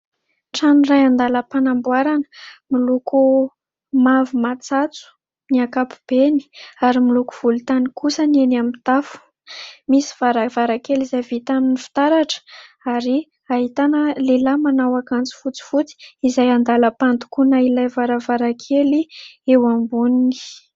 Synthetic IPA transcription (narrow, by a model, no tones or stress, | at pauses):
ʈ͡ʂanirajand̪aləpanambwaɾanə̥miluku | mavumat͡sat͡su̥ | niakapu̥b̥eni̥aɾimiluku̥v̥ult̪anikusənenamit̪afu̥ | misi̥v̥aɾavaɾakelizajvit̪aninifi̥t̪aɾaʈ͡ʂə̥ | aɾi | aɦit̪anəlelamanawakant͡si̥fut͡si̥fut͡si̥izajand̪aləpant̪u̥kunailajvaɾavaɾakʰeliewambunini̥